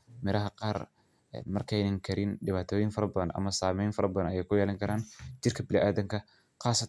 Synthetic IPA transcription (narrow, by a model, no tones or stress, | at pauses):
mɛɾɐɦɐqɑːr | ɛ̰nmɐrkʰɛjnɐŋkʰɐɾɪnɖɪβaːt̪ʰɔːjɪnfɐɾɐbɐðɐnʔɐ̰mɐsaːmɛjnfɐɾɐbɐðɐnɐjɛjkʰʊjɛːlɐŋkʰɐɾaːnt͡ʃɪrkʰɐbɪlɪʔaːðɐŋkʰɐ | qɑːsɐ